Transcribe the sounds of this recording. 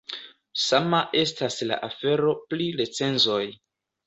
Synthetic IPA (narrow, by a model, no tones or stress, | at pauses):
samaʔe̞stasla̰ʔafe̞ɾo̞pliɾet͡se̞nzo̞j